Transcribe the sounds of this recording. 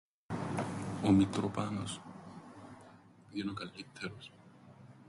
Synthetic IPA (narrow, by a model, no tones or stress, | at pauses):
omikɾopanos | piðjenokalit̪ʰːeɾos